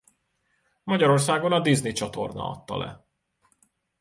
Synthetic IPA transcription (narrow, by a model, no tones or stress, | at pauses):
mɒɟɒɾo̞rsaːɡo̞nɒd̪iznit͡ʃɒt̪o̞̰rnɒ̰ɒ̰t̪ːɒ̰lɛ̰